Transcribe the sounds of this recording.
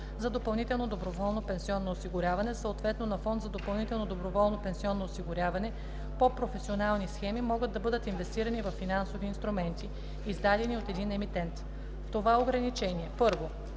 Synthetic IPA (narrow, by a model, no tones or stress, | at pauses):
zɐd̪opɐlˠnit̪ɛlˠnod̪obɾovɔlˠnopɛnsiɔnːoːsiɡʊɾʲjavɐnɛsəot̪vɛt̪nonɐfɔnd̪zɐd̪opɐlˠnit̪ɛlˠnod̪obɾovɔlˠnopɛnsiɔnːoːsiɡʊɾʲjavɐnɛ | popɾofɛsionalˠnisxɛmimɔɡəd̪̚d̪ːɐbɤd̪ət̪invɛst̪iɾɐnivɐfːinansoviːnst̪ɾumɛnt̪i | izd̪ad̪ɛniot̪ɛd̪inɛmit̪ɛnt̪ | ft̪ovaɛoɡɾɐnit͡ʃɛniɛpɤɾvo